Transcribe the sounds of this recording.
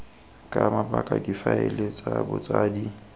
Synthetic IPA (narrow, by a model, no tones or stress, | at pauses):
kʼamapʼakʼadifaɪlet͡sʼabʊt͡sʼaːdi